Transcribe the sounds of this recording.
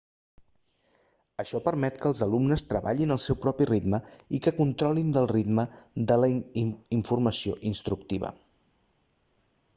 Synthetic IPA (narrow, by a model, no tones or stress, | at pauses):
əʃɔpəɾmɛt̪kəːlˠzəlumnəst̪ɾəβa̰ʎinəlˠsɛwpɾɔpirid̪məikəkunt̪ɾɔlind̪əlˠrid̪məd̪ələiɱfurməsioʔinst̪ɾuk̚t̪iβə̰